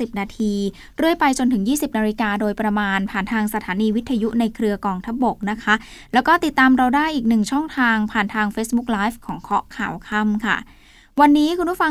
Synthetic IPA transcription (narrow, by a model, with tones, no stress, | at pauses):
i˨˩p̚naː˧t̪ʰiː˧ | ɾɯ˥˩əjpa˧jt͡ɕo˧nt̪ɯ˩˦ŋjiː˥˩si˨˩p̚naː˧ɾiː˧kaː˧doː˧jpɾa˧maː˧npʰaː˨˩nt̪ʰaː˧ŋsa˧t̪ʰaː˩˦niː˧wi˦˥t̪ʰːa˧ju˦˥na˧jkʰɾɯ˧ɐkɔː˧ŋt̪ʰa˦˥p̚bo˨˩k̚na˦˥kʰa˦˥lɛː˦˥wkɔː˥˩t̪i˨˩t̪ːaː˧mɾa˧wdaː˥˩jʔiː˨˩k̚nɯ˨˩ŋt͡ɕʰɔ˥˩ŋt̪ʰaː˧ŋpʰaː˨˩nt̪ʰaː˧ŋfeː˦˥sbu˦˥k̚laː˦˥jfkʰɔː˩˦ŋkʰɔ˦˥ʔkʰa̰ː˨˩wkʰa˥˩mkʰa̰˥˩ | wa˧nːiː˦˥kʰu˧npʰu˥˩fa˧